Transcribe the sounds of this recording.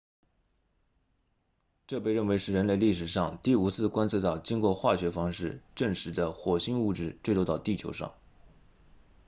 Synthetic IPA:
ʈ͡ʂɤ˥˧pe˥˧ɪɻə˥˩nwe˧˥ɪʂɻ̩˥˩ɻə˧˥nle˥˧ɪli˥˩ʂ̬ɻ̩˨˩ʂɑ˥˧ŋt̪i˥˩u˧˥t͡sʰɹ̩˥˩kwa˥nsʰɤ˥˧t̪ɑ˥˩ʊt͡ɕi˥ŋkwɔ˥˧xwa˥˩ɕɥɛ˧˥fɑ˥ŋʂɻ̩˥˩ʈ͡ʂɤ˥˩ŋʂɻ̩˧˥d̪ə˧xwɔ˨˩ɕi˥ŋu˥˧ʈ͡ʂɻ̩˥˩t͡swe˥˧lo˥˧t̪ɑ˥˧ʊt̪i˥˩t͡ɕʰjo˧˥ʊʂɑ̰˥˩˦ŋ

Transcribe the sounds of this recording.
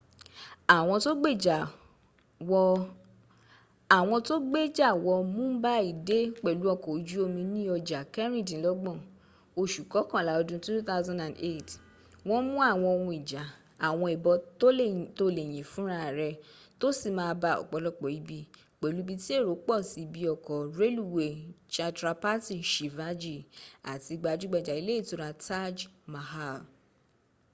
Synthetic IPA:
a˨w̃ɔ̃˧to˦ɡ͡be˦˨d͡ʒa˨ | wɔ˧ | a˨w̃ɔ̃˧to˦ɡ͡be˦˨d͡ʒa˦˨wɔ˧mũ˦ba˦i˦˨de˦k͡pɛ˨lu˨˦ɔ˧˨kɔ˨˦d͡ʒu˦o˧mĩ˧nĩ˦ɔ˧d͡ʒa˨kɛ˦ɾ̃ĩ˦˨dĩ˨˦lɔ˦ɡ͡bɔ̃˦˨ | o˧ʃu˨kɔ˨˦kɔ̃˦˨la˨˦ɔ˧dũ˧˦tu˦t̪a˦wzã˦nda˨ne˦˨t | w̃ɔ̃˦mũ˦a˦˨w̃ɔ̃˧o˧wũ˧i˨d͡ʒa˨ | a˨w̃ɔ̃˧i˨bɔ˧˦to˦to˧le˨j̃ĩ˨fũ˦ɾa˦˨ɾɛ˧ | to˦si˦˨mãː˧ba˧ɔ̰˨k͡pɔ˨˦lɔ˦k͡pɔ˨i˨˦bi˧ | k͡pe˨lu˨˦bi˧ti˦e˦˨ɾo˨˦k͡pɔ˦˨si˨˦bi˧ɔ˨kɔ˨ɾe˦lu˦˨we˨t͡ʃa˧tɾa˧pa˦ti˦˨ʃi˨va˦d͡ʒi˦˨a̰˨ti˧ɡ͡ba˧d͡ʒu˦ɡ͡bɛ˧˨d͡ʒa˨i˨˦le˦i˦˨to˦ɾa˧ta˦d͡ʒma˨ha˦˨

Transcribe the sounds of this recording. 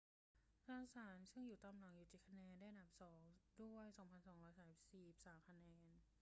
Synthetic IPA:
tʰa˧saː˨˩˦nsɯ˥˩ŋjuː˨˩t̪aː˧mla˨˩ŋjuː˨˩t̪ʰiː˨˩kʰa˧nɛː˧nda˥˩ʔa˨nda˨˩p̚sɔː˩˦ŋdu˥˩əjsɔː˩˦ŋpʰa˧nsɔː˩˦ŋɾɔː˧˩jsaː˨˦si˨˩p̚siː˨˩p̚saː˩˦mkʰa˧nɛː˧n

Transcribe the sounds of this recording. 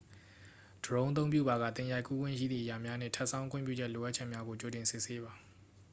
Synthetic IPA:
d̥əɹõ˦ʔət̪̬õ˦ʊ̃mpjṵ˦˨ba˨ɣa̰˦˨t̪ɪ̃˨ja˨ɪkʰːu˦ɡwɪ̰̃˦˨ʃḭ˦˨d̪ði˦˨ja˨mja˦nɪ̰̃˦˨tʰɛ˦ʔsʰã˦ʊ̃ŋkʰʊɪ̰̃˦˨mp̬jṵ˦˨d͡ʑɛ˦ʔlo˨ʔa˦ʔ̚t͡ɕʰɛ˦ʔmja˦ɡo˨t͡ɕo˨tɪ̃˨nsɪ˦ʔse˦ba˨

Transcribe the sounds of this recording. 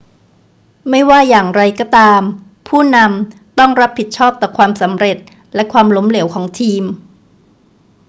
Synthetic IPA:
ma˥˩jwaː˥˩jaː˨˩ŋɾa˧jkɔː˧˥˩t̪aː˧m | pʰuː˥˩na˧m | t̪ɔ˥˩ŋɾa˦˥pʰːi˨˩t̪̚t͡ɕʰɔː˥˩p̚t̪ɔː˨˩kʰwaː˧msa˩˦mɾe˨˩t̪̚ | lɛ˦˥kʰwaː˧mlo˦˥mle˩˦wkʰɔː˩˦ŋt̪ʰiː˧m

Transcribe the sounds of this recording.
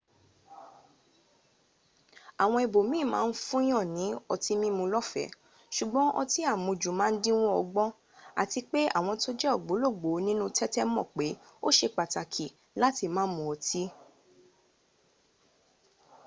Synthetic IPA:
a˨w̃ɔ̃˧i˧bo˨mĩː˦˨mã̰ː˨˦˧n̩˦fũ˦j̃ɔ̃˦˨nĩ˨˦ɔ˧ti˦mĩ˦mũ˧lɔ˦fɛ̰˨˦ | ʃu˨ɡ͡bɔ̃˨˦ʔɔ̰˧ti˦a˦˨mũ˧d͡ʒu˨mãː˨˦n̩˦dĩ˦w̃ɔ̃˦ɔ˧ɡ͡bɔ̃˦ | a̰˨ti˧k͡pe˦a̰˦˨w̃ɔ̃˧to˦d͡ʒɛ˦ɔ˦˨ɡ͡bo˨˦lo˦˨ɡ͡bo˨˦nĩ˦nũ˦tɛ˦tɛ˦mɔ̰̃˦˨k͡pe˨˦ | o˦ʃe˧k͡pa˨ta˨kʰi˨ | la˦ti˧mãː˨˦mũ˧˦ɔ˧ti˦

